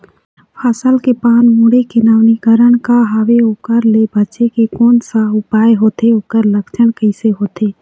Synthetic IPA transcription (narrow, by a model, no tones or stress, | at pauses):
pʰaːsəlkepaːnmuːɽekenaːʋnikəɾəɽ̃kaɦaːʋeoːkəɾlebət͡ʃekekɔːnsaʊpaːjɦoːt̪eoːkəɾləkt͡ʃʰəɽ̃kəɪseɦoːt̪eː